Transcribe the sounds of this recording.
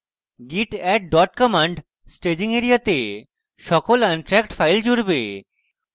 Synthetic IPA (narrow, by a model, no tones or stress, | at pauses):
ɡiʈɛʈ̚ɖɔʈkɔmãɳɖ | sʈed͡ʑiŋeɾijat̪e | ʃɔkolanʈɾɛkʈfʰajld͡ʑuɽbe